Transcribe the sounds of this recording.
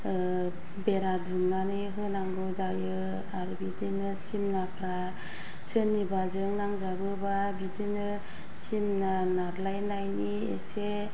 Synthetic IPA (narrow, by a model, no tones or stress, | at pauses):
beɾadumnaniɦɯnaŋɡɯzajɯ | aɾɯbidinɯsimnapʰɾa | t͡ʃʰɯnːibazɯŋnaŋzabɯba | bidinɯ | simna | naɾlajnajni | ḛse